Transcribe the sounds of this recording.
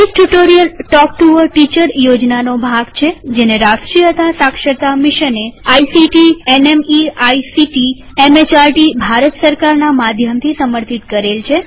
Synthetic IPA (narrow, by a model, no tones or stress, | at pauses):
iʈuʈoɾijəlʈɔkʈuʋəɾʈit͡ʃəɾjod͡ʒnanobʱaɡt͡ʃʰed͡ʒeneɾaʃʈɾijət̪asakʃət̪amiʃəneaisiʈienemiajsiʈi | emet͡ʃaɾʈibʱaɾət̪səɾkaɾnamad̪ʱjəmt̪ʰisəməɾt̪it̪kəɾelt͡ʃʰe